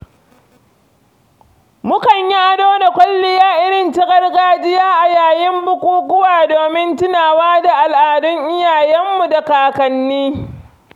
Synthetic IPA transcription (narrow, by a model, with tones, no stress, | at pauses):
mʊ˦kɐ˨ɲja˦a˦doː˦da˨kʷɐ˦lːɪ˨jaː˦ʔɪ˦ɽɪ˨ntɪ˦ɡɐ˦rɡaː˦d͡ʒɪ˦jaː˦ʔa˨jaː˨jɪ˦mbʊ˦kʷuː˦ɡʷʊ˦waː˨doː˨mɪ˦ntɪ˦naː˨waː˦da˨ʔa˨lʔaː˨dʊ˦ŋʔɪ˦jaː˨jɐ˦mːu˨da˨kaː˨kɐ˨nːiː˦